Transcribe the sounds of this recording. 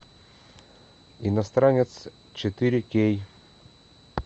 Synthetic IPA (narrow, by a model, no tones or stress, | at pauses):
ɪnɐst̪ɾanʲɪt̪s | t͡ɕɪt̪ɨɾʲɪkʲej